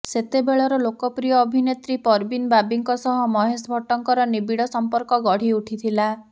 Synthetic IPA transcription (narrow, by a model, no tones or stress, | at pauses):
set̪ebeɭɔɾɔlokɔpɾijɔːbʱinet̪ɾipɔɾbinbabiŋkɔsɔɦɔmɔɦesbʱɔʈɔŋkɔɾɔnibiɽɔsɔmpɔɾkɔɡɔɽ̤iuʈʰit̪ʰila